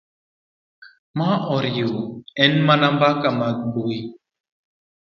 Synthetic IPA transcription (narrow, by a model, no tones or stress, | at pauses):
maʔɔɾjoɛnmanambakamak̚boi